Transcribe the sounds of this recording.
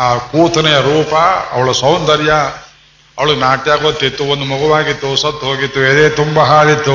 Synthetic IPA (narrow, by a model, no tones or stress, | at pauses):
aːkuːt̪ɐnɐjɐɾuːpɐɐ̰ʋɐɭɐsɐwnd̪ɐɾjɐ | ɐʋɐɭuɡenaːʈijaːɡoːt̪ːit̪ːuond̪umɔɡɐʋaːɡit̪ːusɐt̪ːɦoːɡit̪ːued̪eːt̪umbɐɦaːlit̪ːu